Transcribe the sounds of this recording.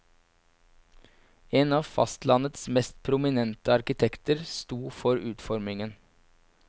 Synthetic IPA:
eːnɑːʋfɑ̰st̪lɑnət̪smɛst̪̚pʰɾʊmɪnɛnt̪əɑɾkɪt̪ʰɛkt̪əɾst̪uːfɔɾʉːt̪fɔɾmɪŋən

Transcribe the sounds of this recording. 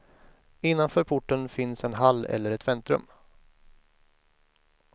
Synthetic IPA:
ɪnːanfœːɾpʰʊʈːənfɪnsɛnɦalːɛ̰lːəɾɛt̪vɛnt̪ɾɵ̰m

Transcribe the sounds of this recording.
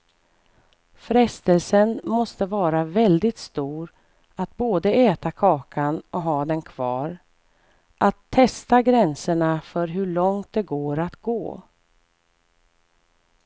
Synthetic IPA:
fɾɛst̪əlsənmɔst̪əvɑːɾavɛld̪ɪt̪st̪uːɾ | at̪̚boːd̪əɛːt̪akʰɑːkʰanɔɦɑːd̪ɛnkʰv̥ɑːɾ | ʔat̪ʰːɛst̪aɡɾɛnsəɳafœɾɦɵɭɔŋt̪̚d̪ɛɡoːɾat̪ɡo̰ː

